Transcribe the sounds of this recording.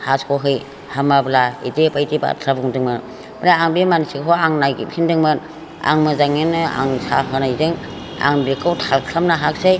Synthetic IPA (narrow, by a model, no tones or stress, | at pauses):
haskɔɦɯj | hamablaidepajtiba̰tʰɾabuŋdɯŋmɯn | maɾaaŋbemansikɦʰɔaŋnajɡḭp̚kʰindɯŋmɯn | a̰ŋmɯzaŋinɯa̰ŋsa̰ɦɯnajzɯŋ | a̰ŋbekʰawtʰalkʰɾamnaɦak̚saj